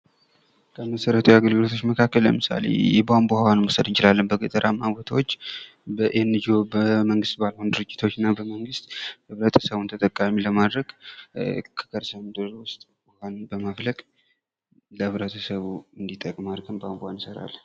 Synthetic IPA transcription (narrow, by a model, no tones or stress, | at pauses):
kʰəməsəɾət̪ʰujaɡəlɡɨlo̞t̪ʰo̞t͡ʃːməkʰakːəlːə̰mɨsa̰lḛjɛbambohawanmosəd̪ɨnt͡ʃɪlalːənbəɡət̪ʼəɾʔamːaβot̪ʰawot͡ʃː | bəʔenːɨd͡ʒo̞bəməŋɡɨst̪balhund̪ɨɾɨd͡ʒːɪt̪ʰo̞t͡ʃːɨnːabəməŋɡɨst̪ɨβɾət̪ʰə̥səβunt̪ʰət̪ʼəkʼamiləmad̪ɾəɡ | kʰə̥kʰəɾsamɨd̪ɨɾwʊst̪ʼ | wwanbəmafləkʼ | ləhɨβɾət̪ʰəsəβuɨnd̪it̪ʼəkʼmaɾkɨnbambohansəɾa̰l